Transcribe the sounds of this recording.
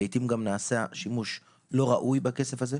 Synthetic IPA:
ejtimɡamnaːseaʃimuʃ | lo̞ʁaʔujbake̞se̞faze̞

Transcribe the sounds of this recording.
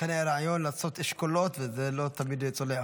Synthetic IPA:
eneɾaʕajonlasot̪eʃkolot̪vezelot̪amid̪jot͡sole

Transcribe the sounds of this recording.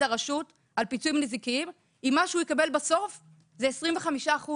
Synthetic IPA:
aʁaʃut | alpit͡suimnizikiim | imːaʃeujikabe̞lbaso̞f | zeesʁimveχamiʃaːχu

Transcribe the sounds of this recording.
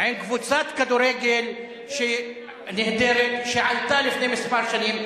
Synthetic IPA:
ʕenkvut͡sat̪kad̪uɾeːɡel | ʃe | nehd̪eɾet̪ʃeʕalt̪alɪfnemɪspaɾʃaniːm

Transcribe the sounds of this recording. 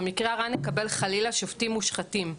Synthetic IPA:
mikʁeaʁanekabe̞lχalilaʃoftimuʃχatim

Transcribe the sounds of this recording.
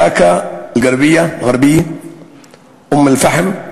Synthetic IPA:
ɑkalɡɑɾˤbɪjːalɣɑɾˤbɪjːa | ʔʊmːalfaħm

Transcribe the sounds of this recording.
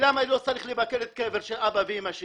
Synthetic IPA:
lamanilot͡saʁiχlebakelet̪̚keveʁʃelʔabaveimaʃe

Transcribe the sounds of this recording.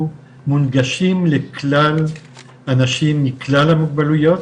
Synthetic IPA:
munɡaʃimleklal | anaʃimːiklalamuɡ̚balujo̞t̪

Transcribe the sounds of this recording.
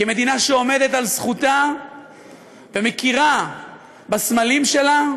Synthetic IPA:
keme̞d̪inaʃeo̞me̞d̪e̞t̪alsχut̪a | vemekiʁa | basmalimʃe̞la

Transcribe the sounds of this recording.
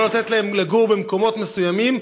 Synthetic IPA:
olat̪et̪laemleɡuʁbemko̞mo̞t̪me̞sujamim

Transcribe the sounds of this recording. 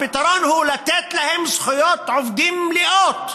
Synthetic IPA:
bɪt̪ɑɾˤɑːnhuːlæt̪æːt̪læhɪmsxʊjɑːt̪ʕʊfd̪iːmlɪʔɑːt̪

